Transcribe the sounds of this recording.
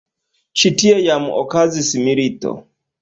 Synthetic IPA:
t͡ʃitiɛjamṵʔɔkazisimiɾitɔ̰

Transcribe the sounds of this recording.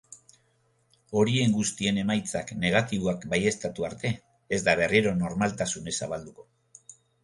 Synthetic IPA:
o̞ɾie̞ŋɡust̪ie̞ne̞majt͡sakne̞ɣat̪iβoakbaje̞st̪at̪uaɾt̪e̞ː | zd̪aβ̞e̞riɾo̞no̞ɾmalt̪asune̞saβald̪uko̞̥

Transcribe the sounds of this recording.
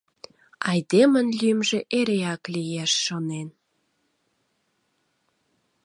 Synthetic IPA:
ɑjd̪emənlymʒĕʔeɾeɑklijæʃːonen

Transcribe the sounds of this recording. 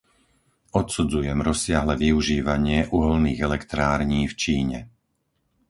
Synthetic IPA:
ɔt̪sud͡zujɛmɾɔsɪaɦlɛʋiuʒiːʋaɲɪɛʔuɦɔlniːɣɛlɛkt̪ɾaːɾɲiːft͡ʃiːɲɛ

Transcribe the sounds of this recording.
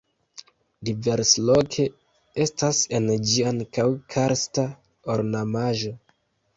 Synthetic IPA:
dive̞ɾslo̞kʰe̞ | e̞stasend͡ʒiankawkʰaɾsta | oɾnamaʒo̞

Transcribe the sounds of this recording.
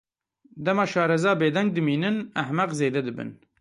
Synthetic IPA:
d̪ɛmɑːʃɑːɾɛzɑːbeːd̪ɛŋɡ̚d̪ɨmiːnɨnæhmæqzeːd̪ɛd̪ɨbɨ̰n

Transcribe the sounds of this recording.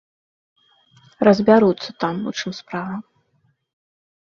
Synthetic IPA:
rɐzʲbʲaɾut̪sːɐt̪amṵt͡ʂɨmspɾavɐm

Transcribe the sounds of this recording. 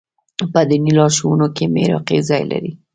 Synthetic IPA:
pəd̪inilɑɾʃowunokemḛɾɑ̰qezɑjla̰ɾi

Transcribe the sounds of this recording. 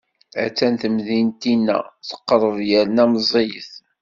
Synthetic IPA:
æ̰t͡sːænθəmðint̪inːæ̰θə̥qːɾˤəðˤjæɾnæməzˤejə̰θ

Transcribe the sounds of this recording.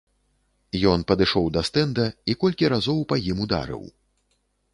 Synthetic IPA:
jɔnpɐd̪ɨʂɔwd̪ɐst̪ɛnd̪ɐikɔlʲkʲiɾazɔwpajimud̪a̰ɾɨ̰w

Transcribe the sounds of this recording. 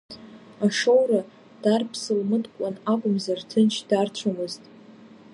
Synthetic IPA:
aʂo̞wra | d̥arpʰsɨlmɨdkʷʼanakʷʼʊmzartʰɨnt͡ʃʰd̥art͡ɕʷʰamɨztʼ

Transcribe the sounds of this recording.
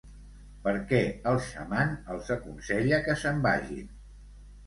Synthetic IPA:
pəɾkɛəlˠʃə̰manəlˠzəkunsɛʎəkəsəmba̰ʒḭn

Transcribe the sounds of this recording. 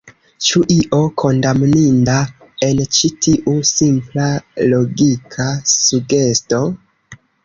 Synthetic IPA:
t͡ʃuʔiʔo̞kʰo̞ndamninda | e̞nt͡ʃitiʔusimplalo̞ɡikʰasuɡe̞sto̞

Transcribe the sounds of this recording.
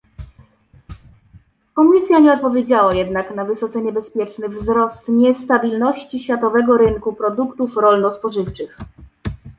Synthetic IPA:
kɔmʲisʲjaɲɛɔt̪̚pɔvʲjed͡ʑawajɛd̪naknavɘsɔt̪sɛɲɛbɛspʲjɛt͡ʂnɛvzɾɔst̪ɲɛst̪abʲilnɔɕt͡ɕiɕfʲjat̪ɔvɛɡɔɾɘŋkupɾɔd̪ukt̪ufɾɔlnɔspɔʐɘft͡ʂɘx

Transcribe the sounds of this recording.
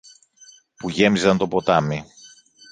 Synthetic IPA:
puʝe̞mizɐnt̪o̞po̞t̪ɐmi

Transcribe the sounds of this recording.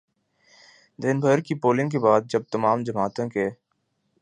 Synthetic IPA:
d̪ɪnbʱəɾkipoːlɪ̃ŋɡk̬ebaːd̪̚d͡ʒɐb̚t̪ɐmaːmd͡ʒɐmaːt̪õkeː

